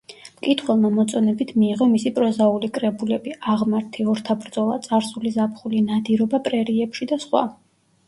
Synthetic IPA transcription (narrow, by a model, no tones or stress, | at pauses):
mkʼit̪ʰχwɛlˠmamɔt̪sʼɔnɛbit̪ʰmiːʁɔmisipʼɾɔzaulikʼɾɛbulɛbiaʁmaɾt̪ʰiɔɾt̪ʰabɾd̪zɔlˠa̰t̪sʼaɾsulizapχulinad̪iɾɔbapʼɾɛɾiɛpʃid̪asχwa̰